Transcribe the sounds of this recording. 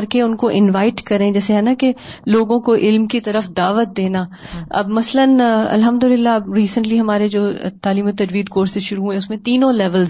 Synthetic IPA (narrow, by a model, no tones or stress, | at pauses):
ɐɾkeʊnkoʔɪnʋaːɪʈkɐɾẽd͡ʒɛːseɦɛːnakeloːɡõkoʔɪlmkit̪ɐɾəfd̪aːʋət̪̚d̪eːnaː | ɐ̰bmɐslənɐ̰lɦɐmd̪ʊlɪlːabɾiːsə̃ɳʈliɦɐmaːɾed͡ʒoːt̪aːliːmot̪ɐd͡ʒʋiːd̪koːɾseʃʊɾuɦuɦɛ̃ʊsmẽt̪iːnõlɛːʋəlz